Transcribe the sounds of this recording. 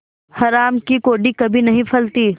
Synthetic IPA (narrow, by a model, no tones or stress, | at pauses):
hɐɾaːmkikoːɖikɐbʱinɐɦĩpʰɐlt̪iː